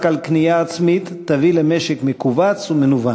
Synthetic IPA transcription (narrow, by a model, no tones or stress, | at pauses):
kalknijaːt͡smit̪ːavilemeʃekmekuvat͡sumenuva